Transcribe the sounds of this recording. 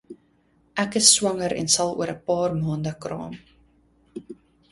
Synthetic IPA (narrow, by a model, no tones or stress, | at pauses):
ʔækəsːwɐŋəɾɛ̰nsɐlˠṵəɾəpɑːrmɑːndəkrɑ̰ːm